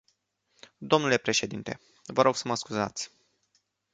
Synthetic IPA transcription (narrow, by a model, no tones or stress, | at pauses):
d̪o̞mnule̞pɾe̞ʃe̞d̪int̪e̞̰ | vəɾo̞ɡ̥səməskuzat̪sʲ